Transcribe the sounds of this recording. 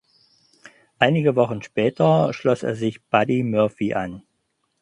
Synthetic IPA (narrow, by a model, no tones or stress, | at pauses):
ʔaɪnɪɡəvɔχn̩ʃpɛːtʰɐʃlɔsḛːɐzɪçb̥adimœɐfiʔa̰n